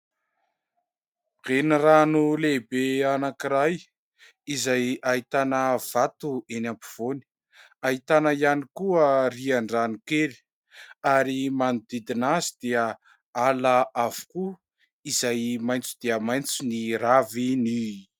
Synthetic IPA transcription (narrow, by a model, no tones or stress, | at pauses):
ʁ̥eniranulebeanakiɾaj | izajait̪anəv̥at̪uʔenampi̥v̥oni̥ | ait̪anəjanikuəriaɳɖ͡ʐanukeli̥ | aɾimanud̪id̪inazid̪̥iə | alaavu̥ku | izajmajnt͡sud̪̥iəmajnt͡suniravini